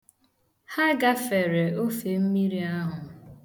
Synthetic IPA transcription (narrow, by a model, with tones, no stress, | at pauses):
ha˦ɡa˦fe˨ɾe˨o˦fe˨m̩˦mi˦ɾi˨a˦ɦʊ˨